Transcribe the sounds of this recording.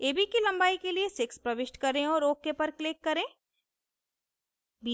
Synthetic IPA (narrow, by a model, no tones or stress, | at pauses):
eːbʱikilɐ̃mbaːikeliesɪkspɾɐʋɪʃʈkɐɾẽɔːɾoːkːepɐɾklɪkːɐɾẽː | bi